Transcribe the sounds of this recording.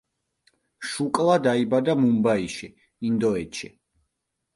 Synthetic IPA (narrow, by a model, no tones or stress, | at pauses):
ʃukʼlˠad̪aibad̪amumbaiʃi | ind̪ɔɛt̪ʃi